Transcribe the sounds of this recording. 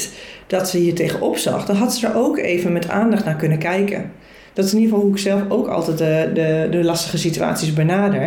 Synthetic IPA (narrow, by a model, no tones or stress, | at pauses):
d̥ɔtsəhiːɹtejχəʔɔpsɑ̰χdənɦɑtsədəɹʔoːkḛːvənmɛtʰa̰ːndɑχtnaːkɵnənkɛjkə̰n | d̥ɔtɪsɪniɹfɔlˠɦuɪksɛlˠfowkɑ̰lˠtɛtədədəlɑstə̥χəsitya̰ːtt͡ssisbənaːdəɹ